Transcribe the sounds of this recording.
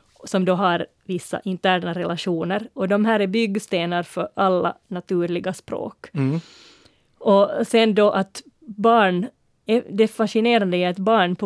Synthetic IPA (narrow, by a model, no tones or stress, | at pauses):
sɔmd̪oɦɑɾ | vɪsːa̰ʔɪnt̪æːɳaɾɛlʔaʂuːnəɾɔd̪ɔmɦæːɾæbʏɡst̪eːnaɾfœɾʔalːa̰nat̪ʉːɾɭɪɡaspɾo̰ːk | ɔsɛnd̪ɔʔat̪ | bɑːɳ | ɛd̪ɛfaʂɪneːɾand̪əɛɛt̪bɑːɳpʰɔ